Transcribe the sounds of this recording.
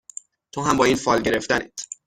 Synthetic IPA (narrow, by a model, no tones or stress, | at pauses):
t̪ʰoɦæmbɒːiːnfɒːlɟe̞ɾe̞ft̪ænit̪ʰ